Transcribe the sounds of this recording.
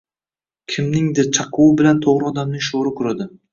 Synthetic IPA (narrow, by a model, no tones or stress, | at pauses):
kʲʰɪmnɪŋd̪ɪt͡ʃʰɑqʰʊwɪbɪlant̪ʰoʁɾɪɒd̪amnɪŋʃoɾɪkʰʊɾad̪ɪ